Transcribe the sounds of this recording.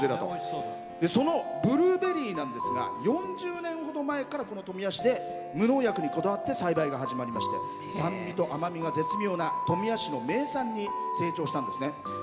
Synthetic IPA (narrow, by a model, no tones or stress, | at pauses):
eɾd̪at̪o̰ | d̪̥e̞so̞no̞bɯ̟ɾɯ̟ːbe̞ɾʲiːnãnd̪e̞sɨɡa̰jõ̞ɲd͡ʑɨːnẽ̞ɰ̃ho̞d̪o̞mae̞kaɾako̞no̞t̪o̞mʲiaɕid̪e̞ | mɯ̟no̞ːjakɯ̟ɲ̟iko̞d̪aβat̪ːe̞saibaiɡaɦaʑimaɾʲimaɕi̥t̪e̞̰ | sãmbʲit̪o̞ʔamamʲiɡaze̞t͡sɨmʲjo̞ːnat̪o̞mʲiaɕino̞me̞ːsãɲ̟ːi | se̞ːt͡ɕo̞ːɕi̥t̪ãnd̪e̞sɨne̞